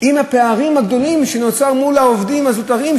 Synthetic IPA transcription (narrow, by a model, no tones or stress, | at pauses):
imhape̞aʁimhaɡd̪o̞limʃe̞no̞t͡saʁmulaovdimhazot̪aʁim